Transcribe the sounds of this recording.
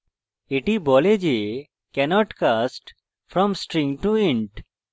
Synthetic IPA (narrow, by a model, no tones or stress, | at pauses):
eʈibɔled͡ʒe | kɛnɔʈkasʈ | fɾɔ̃msʈɾĩŋʈuĩɳʈ